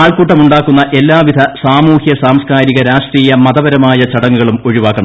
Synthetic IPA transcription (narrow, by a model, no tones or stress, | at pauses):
aːɭkuːʈːɐmuɳɖaːkːunːɐʔe̞lːaːʋid̪ʱɐsaːmuːhjɐsaːmskaːɾiɣɐɾaːʂʈriːjɐmɐðɐʋɐɾɐmaːjɐt͡ɕɐɽɐŋːuɣɐɭumo̞ɻiʋaːkːɐɳɐ